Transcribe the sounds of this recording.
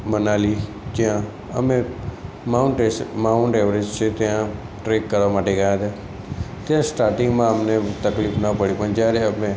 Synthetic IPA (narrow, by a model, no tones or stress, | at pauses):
mənaːli | t̪jã | ə̰mẽ | maʊɳʈemaʊɳʈɛːʋɾed͡ʒt͡ʃʰet̪jã | ʈɾeːkːəɾʋamaːʈeɡəjãt̪ʰa | t̪ɪjãsʈaːɾʈɪ̃ŋɡmãəmnet̪əkliːfnəpəɽipənd͡ʒaɾeəmẽ